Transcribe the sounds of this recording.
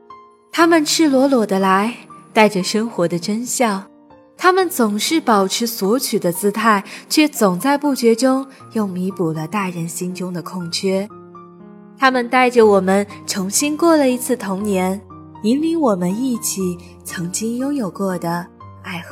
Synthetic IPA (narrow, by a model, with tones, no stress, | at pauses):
t̪ʰa˥mə˨nʈ͡ʂʰɻ̩˥˩lwɔ˧˥lwɔ˨˩d̪ə˦la˧˥ɪt̪a˥˩ɪʈ͡ʂə˩ʂə˥ŋxwɔ˧˥d̪ə˧ʈ͡ʂə˥nɕjɑ˥˩ʊ | t̪ʰa˥mə˨nt͡sʊ˨˩ŋʂɻ̩˥˩pɑ˨˩ʊʈ͡ʂʰɻ̩˧˥swɔ˧˥t͡ɕʰy˨˩d̪ə˦t͡sɹ̩˥t̪ʰa˥˩ɪt͡ɕʰɥɛ˥˩t͡sʊ˨˩ŋt͡sa˥˧ɪpu˥˩t͡ɕɥɛ˧˥ʈ͡ʂʊ˥ŋjo˥˩ʊmi˧˥pu˨˩lə˦t̪a˥˩ɻə˧˥nɕi˥nʈ͡ʂʊ˥ŋd̪ə˨kʰʊ˥˩ŋt͡ɕʰɥɛ˥ | t̪ʰa˥mə˨nt̪a˥˩ɪʈ͡ʂə˩wɔ˨˩mə˦nʈ͡ʂʰʊ˧˥ŋɕi˥nkwɔ˥˩lə˩i˧˥t͡sʰɹ̩˥˩t̪ʰʊ˧˥ŋnjɛ˧˥n | i˧˥nli˧˥ŋwɔ˨˩mə˦ni˥˩t͡ɕʰi˨˩ | t͡sʰɤ˧˥ŋt͡ɕi˥ŋjʊ˥ŋjo˨˩ʊkɤ˥˩d̪ə˩ | a˥˩ɪxɤ˧˥˦